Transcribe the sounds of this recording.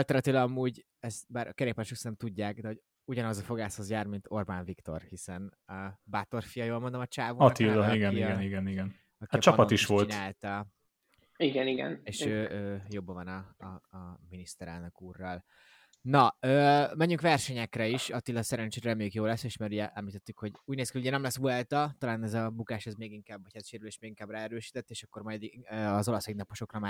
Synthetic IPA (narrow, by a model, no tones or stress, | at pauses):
alt̪ɛrɾnɑt̪ilɒɒmuːɟ | ɛst̪baːɾɒkɛɾeːpaʃøksɛnɛmt̪uɟːaːkd̪ɛɦo̞ɟ | uɟɒnɒzɒfo̞ɡaːshozjaːrmint̪o̞rbaːɱvikt̪o̞̰rhisɛn | baːt̪o̞rfijɒjoːlmo̞nd̪omɒt͡ʃaːvoːɒt̪ilːɒiɡɛniɡɛniɡɛniɡɛn | ɒkɛt͡ʃɒpɒt̪iʃʋo̞lɲaːlt̪ɛ | iɡɛniɡɛ̰neːʃøːøːjobːɒvɒnɒ | minist̪ɛɾɛ̰lnøkuːrːɒl | nɒøːmɛɲːyŋkʋɛrʃɛɲɛkrɛiʃɒt̪ilːɒsɛɾɛnt͡ʃeːɾɾɛmeːkjoːlɛsːeːʃmaːɾuɟɛʔɛmlit̪ɛt̪ːykho̞ɟuːɟneːskiuɟɛnɛmlɛsuɛlt̪ɒt̪ɒlaːnɛzɒbukaːʃɛzmeːɡiŋkaːbːɒchat̪ʃeːɾyleːʃmeːɡiŋkaːbraːɛɾøːʃi̥t̪ɛt̪ːeːʃɒkːo̞rmɒjd̪iøɒzo̞lɒseɡnɒpoʃo̞krɒmaː